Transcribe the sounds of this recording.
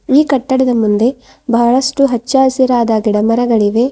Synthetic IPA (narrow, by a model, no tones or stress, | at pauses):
iːkɐʈːɐɽɐd̪ɐmund̪e̞ | bɐɐɭɐsʈuɦɐt͡ʃːaːsiɾaːd̪aɡiɽɐmɐɾɐɡɐɭiʋe̞